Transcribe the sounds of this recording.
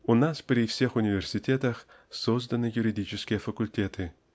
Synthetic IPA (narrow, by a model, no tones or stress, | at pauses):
unaspɾʲifsʲexunʲɪvʲersʲitʲet̪ɐx | sozd̪ɐnɨjuɾʲidʲit͡ɕɪskʲijəfɐkulʲtʲet̪ʰɨ